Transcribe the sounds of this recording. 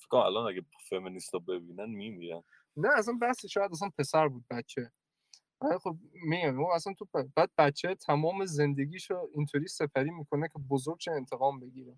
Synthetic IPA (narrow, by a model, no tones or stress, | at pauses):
fe̥kmæ̰lɒnæɡæ | feminist̪ɔbebiːnænmimiɾæ̰n | næːs̬ænbæhsiʃɔːjæd̪æs̬ænpʰe̞sæɾbuːd̪̚bæt̪t͡ʃʰe | vælixob̚miɡæmuæsænt̪ʰubæːd̪̚bæt̪t͡ʃʰːet̪ʰæmɒːme̞ze̞nd̪e̞ɡʲiːʃoint̪ʰoɾiːse̞pʰæɾiːmiːkʰo̞nekʰebozoɾɡ̚ʃeːnt̪ʰe̞ɣɒːmbe̞ɡʲiːɾe